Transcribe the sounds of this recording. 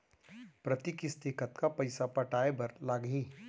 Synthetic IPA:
pɾɐt̪ikist̪ɪkət̪kapɐɪsapɐʈaːebɐɾlaːɡɦiː

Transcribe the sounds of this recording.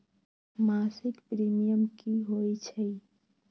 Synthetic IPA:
maːsɪkpɾiːmijəmkiɦoːit͡ʃʰɛi

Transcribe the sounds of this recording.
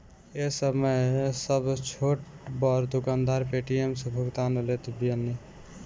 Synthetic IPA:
esəməjsəbt͡ʃʰoʈbɔɾd̪ukand̪aɾpeʈiemsẽbʱuɡt̪anəlet̪biənːi

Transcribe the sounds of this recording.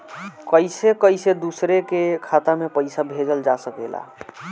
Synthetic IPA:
kəjsekəjsed̪usɾekekʰat̪amepəɪsabʱed͡ʒəld͡ʒasəkɛla̰

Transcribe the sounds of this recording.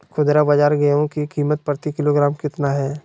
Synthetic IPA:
kʰʊd̪ɾabɐd͡ʒaːɾɡɛõkikiːmət̪̚pɾət̪ikɪloːɡɾaːmkɪt̪naɦɛː

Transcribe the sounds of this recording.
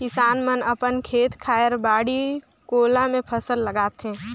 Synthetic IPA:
kɪsaːnmənəpənkʰeːt̪kʰaːjəɾbaːɽi | koːlãmẽpʰəsəlːəɡaːt̪ɦɛ̃ː

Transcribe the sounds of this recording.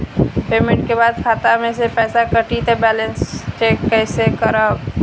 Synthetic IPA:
pemẽɳʈ̚kebad̪kʰat̪amesepɛːsakəʈit̪ebɛlenst͡ʃekːəɪsekəɾəb

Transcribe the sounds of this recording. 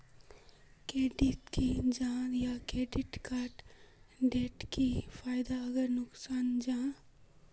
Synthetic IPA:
kɾeːɖit̪kid͡ʒaːɾjakɾeːɖɪʈkaːɾʈɖeːʈkifaːɪd̪aɐɡəɾnʊksaːnd͡ʒaː

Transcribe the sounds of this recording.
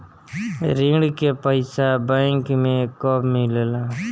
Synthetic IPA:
ɾĩːɽkeːpəɪsabəɪŋkmẽkoːbmillãː

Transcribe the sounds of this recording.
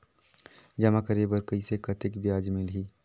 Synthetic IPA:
d͡ʒɐmakəɾebəɾkəisekɐt̪ɪkbjaːd͡ʒmɪlɦiː

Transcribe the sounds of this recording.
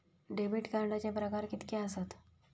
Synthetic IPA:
ɖebiʈkaɾɳɖat͡ɕjapɾəkaɾkit̪keəsat̪

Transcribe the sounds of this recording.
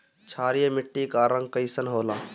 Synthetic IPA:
t͡ʃʰaːɾijemɪʈːikaːɾə̃ŋɡkəɪsənɦoːlaː

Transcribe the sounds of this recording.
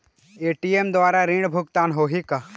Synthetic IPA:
eːʈiemd̪ʋaːɾaɾĩɳɖbʱʊkt̪aːnɦoːɦika

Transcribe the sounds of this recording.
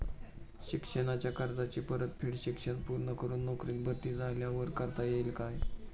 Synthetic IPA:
ɕikʂənat͡ɕjakaɾd͡zat͡ɕiːpəɾət̪pʰiːɽɕikʂənpuɾɳəkəɾuːnːokɾiːt̪̚bət̪iːd͡zaljaʋəɾkəɾt̪ajelkaj

